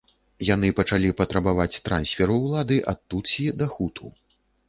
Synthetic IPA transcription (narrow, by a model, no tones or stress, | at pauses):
janɨpɐt͡ʂalʲipɐt̪ɾɐbavat͡sʲt̪ɾa̰nsʲfʲɛɾuwlˠad̪ɨʔat̪ːut̪sʲid̪ɐxut̪ʰu